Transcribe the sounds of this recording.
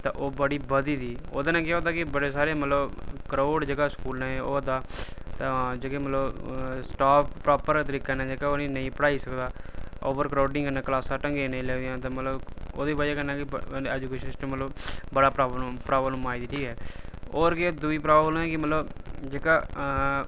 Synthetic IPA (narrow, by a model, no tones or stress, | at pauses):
t̪ã̰ːʔoːbəɽiːbəd̪iːd̪iːo̰ːd̪aːnãːkɪaːd̪aːkɪbəɽeːsaːɾeːmət̪ləbkəɾoːɖd͡ʒeːɡaːskuːlnɛ̃ːo̰ːd̪aːt̪ãd͡ʒeːkẽmət̪ləbsʈaːppːɾaːpəɾt̪əɾiːkaːnɛ̃ːd͡ʒeːkaoːnĩːnəĩːpəɽaːiːsəkd̪aːo̰ːʋəɾkɾaːɖɪĩːkənãːklaːsaʈə̃ŋɡeːnẽːlɛːd̪ɪjãːt̪ẽːmət̪ləboːd̪eːbad͡ʒaːkənãːkɪɛd͡ʒukeʃət͡ʃñːmət̪ləbbəɽaːpɾaːbpɾaːbənũːmaːiːd̪iːʈʰiːkɦɛːoːɾkɪd̪uiːpɾaːbblɛːkɪmət̪ləbd͡ʒeːkaː